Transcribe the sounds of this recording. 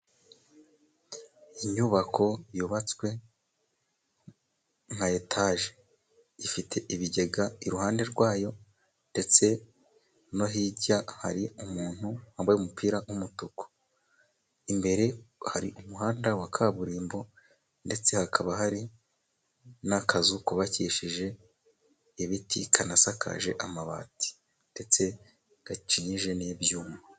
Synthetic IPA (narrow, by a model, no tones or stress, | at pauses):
iɲuβakʰo̞juβat͡swe̞ | ŋhajetʰaːʒe̥ | ifitʰe̞ʔiβiɟe̞ɡaiɾuhaːnde̞ɾɡwaːjo̞ | nde̞t͡se̞ | no̞ɦiɟaha̰ɾiumuːn̥huhaːmbajumupʰiːɾawumutuko̥ | imbe̞ɾe̞haɾḭʔumuɦaːndawakʰaβuɾiːmbo̞ | nde̞t͡se̞hakʰaβahaɾi | nakʰazukuβaciʃiʒe̞ː | βitikʰanasakʰa̰ʒe̞ʔamaβa̰ːti̥ | nde̞t͡se̞ | ɡ̥at͡ʃiɲiʒe̞nebjuːmo